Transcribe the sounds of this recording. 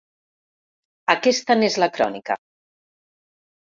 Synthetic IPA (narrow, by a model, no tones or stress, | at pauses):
akɛst̪anezlakɾɔ̰nikə̰